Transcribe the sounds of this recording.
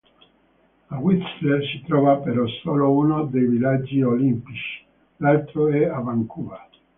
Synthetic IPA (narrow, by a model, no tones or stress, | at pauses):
awit̪slesit̪ɾɔːvapeɾɔsoːlounod̪ejvilad͡ʒːiolimpit͡ʃi̥ | lalt̪ɾoɛavaŋkuva